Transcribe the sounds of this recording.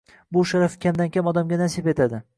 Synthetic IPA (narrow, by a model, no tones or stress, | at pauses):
bʊʃaɾafɪkʲamd̪ankʲʰamɒd̪amɡʲanaɾsipet̪ʰad̪ɪ